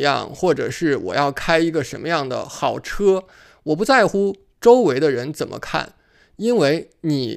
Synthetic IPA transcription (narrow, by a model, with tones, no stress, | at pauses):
jɑ̰˥˩ŋxwɔ˥˩ʈ͡ʂɤ̰˨˩ʂɻ̩˥˩wɔ̰˨˩jɑ˥˩ʊkʰa˥ɪi˧˥ɡə˧ʂə˧˥nmə˧jɑ˥˩ŋd̪ə̰˩xɑ˨˩ʊʈ͡ʂʰɤ˥ | wɔ˨˩p̬u˧˥t͡sa˥˩ɪxu˥ | ʈ͡ʂo˥ʊwe˧˥ɪd̪ɾə˧ɻə˧˥nt͡sə˨˩nmʔə̰˦kʰa̰˥˩n | i˥nwe˥ɪ | ni˨˩